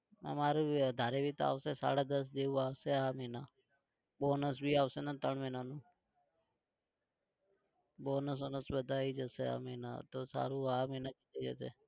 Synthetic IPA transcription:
ə̰maɾuəd̪ʱaɾeʋit̪a̰ʋsesa̰ɽad̪əs̬d͡ʒeʋũaʋseamɛna | bonəsbʱiaʋsenat̪əɳmɛnanũː | bonəs̬onəsbəd̪ʱaid͡ʒəsea̰mɛna̰t̪osa̰ɾũamɛnakit̪ed͡ʒəsḛ

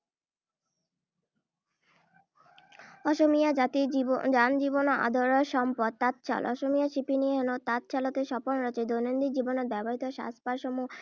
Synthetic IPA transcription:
ɔʃomijad͡ʑat̪iid͡ʑand͡ʑibonoʔa̰d̪ʱoɾoeʃɔmpɔd̪̚t̪at̪̚t͡ɕʰa̰lɔ̰ʃomijaʃipinieɦɔnot̪at̪̚t͡ɕʰalot̪eʃɔponɾɔt͡ɕed̪ojnond̪id͡ʑiboneɾbɛboɾit̪oʃa̰spaɾʃɔmu

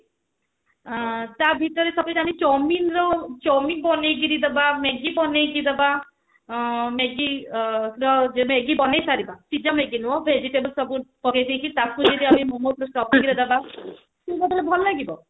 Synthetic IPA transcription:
t̪abʱit̪ɔɾesɔbɔjɾamit͡ʃɔminɾɔt͡ʃɔmibɔnejɡiɾid̪ebameɡibɔnejɡid̪eba | meɡi | ɾɔd͡ʒemeɡibɔnejsaɾibasid͡ʒameɡinuɔbʱed͡ʒiʈebəlsɔbupɔkajd̪ʱijkit̪akud͡ʒed̪iamimɔmopɾɔsʈɔpɡiɾed̪eba | subat̪ɔlebʱɔlɔlaɡibɔ

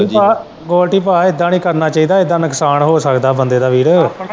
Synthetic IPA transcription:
paː | ɡoːlʈiːpaːɪd̪ãːnĩːkəɾnaːt͡ʃaːiːd̪aːed̪aːnəksaːnɦoːsəkd̪aːbənd̪eːd̪aːʋiːɽ

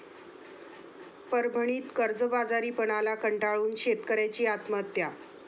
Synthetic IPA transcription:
pəɾbʱəɳ̃iːt̪kəɾd͡zəbad͡zaɾiːpəɳ̃alakəɳʈaɭuːnɕet̪kəɾjat͡ɕiːat̪mət̪ja

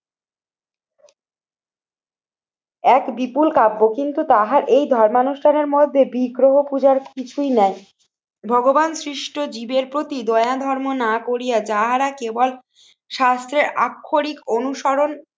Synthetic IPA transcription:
ɛkbipulkabːokint̪ut̪aɦaɾʔejd̪ʱɔɾmanuʃʈʰaneɾmod̪ʱːebiɡɾoɦopud͡ʑaɾkit͡ɕʰujnɛj | bʱɔɡobansɾiʃʈʰod͡ʑibeɾpɾot̪id̪ɔead̪ʱɔɾmonakoɾijad͡ʑaɦaɾakebol | ʃast̪ɾeɾakʰːoɾikonuʃɔɾon

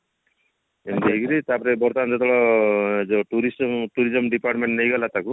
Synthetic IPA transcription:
emd̪ekiɾit̪apɔɾebɔɾt̪and͡zɔt̪ɔɭɔed͡ʒɔʈuɾismʈuɾid͡ʒɔmɖipaɾʈmeɳʈnejɡɔlat̪aku

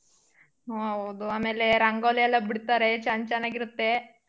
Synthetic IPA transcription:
ɦoɐwd̪uaːme̞ːle̞ɾɐŋɡoːlɛjɐlːɐbiɽt̪aːɾet͡ʃɐɲt͡ʃɐnaːɡiɾut̪ːe̞

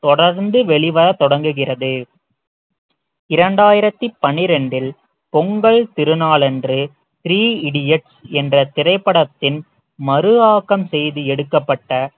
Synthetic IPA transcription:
t̪ɔɽɐɾnd̪ɯʋɛɭɪʋɐɾɐt̪ɔɽɐŋɡɯɣɪrɐðɯ | ɪɾɐɳɖaːjɪɾɐt̪ːipːɐnɪɾɛɳɖɪl | pɔŋɡɐɭt̪ɪɾɯnaːɭɛndrɯ | t̪ɪɾiːɪɽɪɛʈsɛndrɐt̪ɪɾɐɪpːɐɽɐt̪ːɪn | mɐɾɯaːkɐmsɛjðɯɛɽɯkːɐpːɐʈːɐ

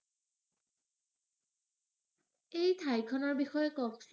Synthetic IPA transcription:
ejtʰajkʰɔnɔɹbixɔjɔkɔks

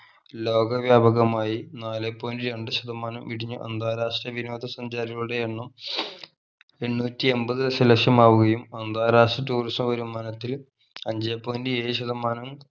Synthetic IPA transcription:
lo̞ːɡɐʋjaːbʱɐɣɐmaːjinaːlepːoːndiɾe̞ɳɖɨɕɐd̪ɐmaːnɐmʋiɽiɲːuʔɐ̰nd̪aːɾaːʂʈrɐʋino̞ːd̪ʱɐsɐɲd͡ʑaːɾiɣɐɭuɽe̞eɳːɐm | e̞ɳːuːtːie̞mbɐðɨɐsɐlɐkʂɐmaːʋuɣɐjumɐnd̪aːɾaːʂrɐtuːrismɐʋɐɾumːɐnɐt̪ːil | ɐɲd͡ʑepːoːndieːɕɐd̪ɐmaːnɐm

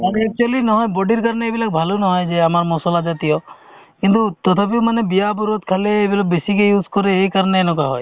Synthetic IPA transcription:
aɾek̚t͡ʃualinɔɦɔjbɔɖiɾkaɾneːbilak̚bʱalonɔɦɔjd͡ʒeamaɾmɔsɔlad͡ʒat̪ijɔ | kint̪ut̪ɔt̪ʰap̬ewmanebijabuɾot̪̚kʰaleːbilabesikejuskɔɾeːjkaɾɔneːnɔkaɦɔ̰j

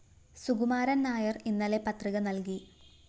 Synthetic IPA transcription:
suɡumaːɾɐnnaːjɐrinːɐle̞pɐt̪riɣɐnɐlki

